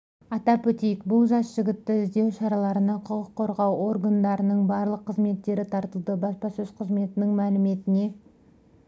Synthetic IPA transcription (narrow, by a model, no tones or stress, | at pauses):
ɑt̪ɑpɵt̪ijkbʊlˠʒɑsʒɪɡʲɪt̪ːɪɪzd̪e̞wʃɑɾɑlˠɑɾənɑqʰʊqəqʰːo̞ɾʁɑwo̞rɡand̪ɑɾənəɴbɑɾlˠəqʰːəzme̞t̪ːe̞ɾɪt̪ʰɑɾt̪əlˠd̪əbɑspɑsɵzqʰəzme̞t̪ɪnɪŋmælɪme̞t̪ɪne̞